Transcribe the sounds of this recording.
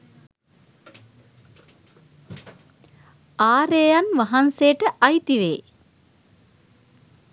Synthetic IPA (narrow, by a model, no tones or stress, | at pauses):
aːɾejanʋaɦansejəʈəʔajt̪iʋḛː